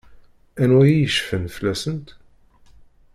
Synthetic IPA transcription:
ænwæjijəʃfənflæsənt̪

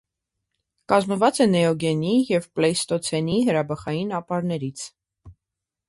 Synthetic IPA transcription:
kɑzməvɑt͡sɛnɛɔɡɛnijɛvplɛjst̪ɔt͡sʰɛniɦəɾɑbəχɑjinɑpɑɾnɛɾit͡sʰ

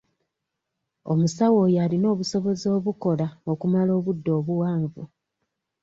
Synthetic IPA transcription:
o̞musawo̞ːjalino̞ːβuso̞βo̞zo̞ːβuko̞laokumalo̞ːβudːo̞ːβuwaːɱvu

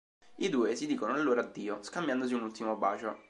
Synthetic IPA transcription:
id̪uːesid̪iːkonoalːoːɾad̪ːiːoskambjand̪os̬iunult̪imoba̰ːt͡ʃo

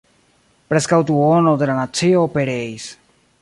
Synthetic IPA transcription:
pɾeskawt̪uonodelanat͡sioːpeɾejs

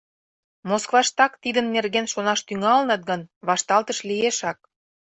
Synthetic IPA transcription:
moskvɑʃt̪ɑkt̪id̪ənːerɣenʃonɑʃt̪yŋɑlənɑt̪̚ɡə̆nβɑʃt̪ɑlt̪əʃlieʃɑk̚

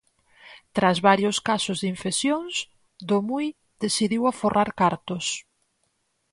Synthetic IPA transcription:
t̪ɾazβaɾjʊskasʊzðiɱfesjoŋs | d̪omuj | d̪esiðiwaforʔaɾkaɾt̪ʊs

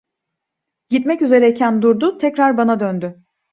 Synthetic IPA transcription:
ɟit̪mɛcyze̞ɾɛcʰænd̪uɾd̪ʊt̪ʰɛcɾaɾbanad̪ønd̪ʏ

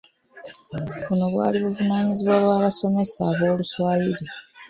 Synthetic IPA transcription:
βuno̞βwa̰ːliβuvunaːɲiziβwaːβwaːβaso̞me̞sa̰βo̞ːluswaːjiɾi

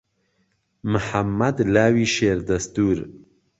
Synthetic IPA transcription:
mɨħamːɐd̪laːwiːʃeːɾd̪ɐst̪uːɾ

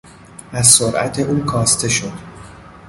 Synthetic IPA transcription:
ʔæzsoɾʔæ̰t̪ʰe̞ʔuːkʰɒːst̪ʰe̞ʃo̞d̪̥

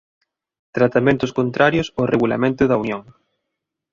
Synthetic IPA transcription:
t̪ɾat̪amẽnt̪ʊskont̪ɾaɾjosoreɣula̰mẽnt̪ʊðaunjoŋ

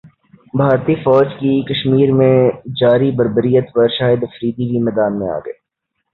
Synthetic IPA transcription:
bʱaːɾt̪ifɔːd͡ʒkikɐʃmiːɾmẽd͡ʒaːɾibɐɾbəɾijət̪pɐɾʃaːjəd̪ɐfɾiːd̪ibʱimɛːd̪aːnmẽa̰ːɡɐ̰eː

